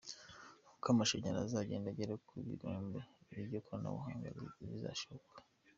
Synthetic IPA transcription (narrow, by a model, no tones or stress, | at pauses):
hukamaʃeɲaɾazaɟe̞ːndaɟeɾakʰuβḭɾoːmbeiβiβɟokoɾana̰βṵhaːŋɡa̰zḛiβiza̰ʃookḁ